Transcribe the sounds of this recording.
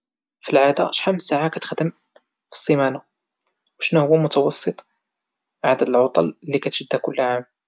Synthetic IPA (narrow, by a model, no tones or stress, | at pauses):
filʕad̪a̰ʃħamːsaʕakæt̪ə̥xd̪əm | fi̥sˤːəmæna | wʃnuhʊwːæmʊt̪ɑwɑsˤːɨt̪ˤ | ʕad̪əd̪əlʕʊt̪ˤɑ̰llːikæt̪ʒ̥əd̪ːækʊlːʕam